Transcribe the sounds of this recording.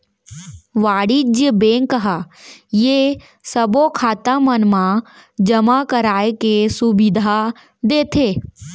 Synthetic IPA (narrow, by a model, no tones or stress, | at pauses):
ʋaːɽid͡ʒjəbeːŋkəɦajeː | səbokʰaːt̪amənmã | d͡ʒəmakəɾaːekesubɪd̪ʱa | d̪eːt̪ʰeː